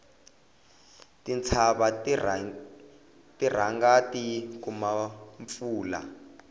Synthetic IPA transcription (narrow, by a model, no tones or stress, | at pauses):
tint͡sʰaɓa | tir̤aŋɡatikumaɱp̪fuːla̰